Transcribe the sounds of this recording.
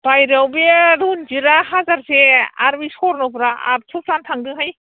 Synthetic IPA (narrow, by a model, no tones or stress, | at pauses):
b̥ajɾawbeɾund͡ʒiɾahazaɾseaɾbisɔɾnɔwpɾaa̰p̚sʰup̚santʰaŋdɯɦaj